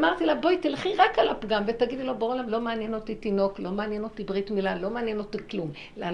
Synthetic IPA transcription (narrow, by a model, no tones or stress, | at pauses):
maʁt̪ilabojt̪ilχiʁakalapɡamvet̪aɡid̪ilo̞beolamlo̞meanjeno̞t̪it̪ino̞klo̞maːnjeno̞t̪ibʁit̪milalo̞meːnjeno̞t̪iklum | la